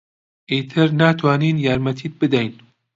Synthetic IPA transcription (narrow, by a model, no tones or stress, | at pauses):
ʔeːt̪ʰɪɾnaːt̪ʰwaːniːnjaːɾmɛt̪ʰiːt̪̚bɨd̪ɛjn